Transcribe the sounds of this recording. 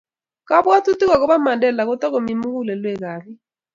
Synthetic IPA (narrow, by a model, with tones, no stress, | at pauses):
ka˦bwa˦tu˦ti˦ka˨kɔ˦βa˦ma˨ndɛ˨la˨kɔ˦ta˦ko˨mi˨mu˦ku˦lɛ˨lwɛ˦˨kaː˨βi˦